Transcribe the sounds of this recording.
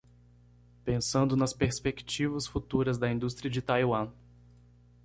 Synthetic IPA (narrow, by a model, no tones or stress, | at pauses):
pẽsɐ̃nd̪ʊnɐspeɾspekt͡ʃivɐsfut̪uɾɐzd̪ɐĩnd̪ust̪ɾiɐd͡ʒɪt̪ajwɐ̃